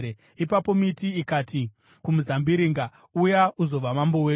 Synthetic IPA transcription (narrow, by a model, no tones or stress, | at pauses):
e | ipapo̞mitiːkaːtʰi | kumuzambiɾiŋɡa | ujauzo̞ʋamambo̞weː